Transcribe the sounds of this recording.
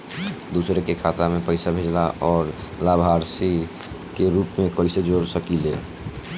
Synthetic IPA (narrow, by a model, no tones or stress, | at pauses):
d̪usɾekekʰat̪amẽpəɪsabʱed͡ʒla̰ʔɔːɾlabʱaɾsi | keɾuːpmẽkəɪsed͡ʒoːɾsəkile